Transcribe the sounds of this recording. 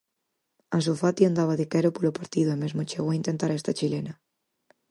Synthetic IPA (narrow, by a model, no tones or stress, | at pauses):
as̬ofat̪iand̪aβ̞aðekɛɾopolopaɾt̪iðoemezmot͡ʃeɣoaint̪ent̪aɾɛst̪ɐt͡ʃilenɐ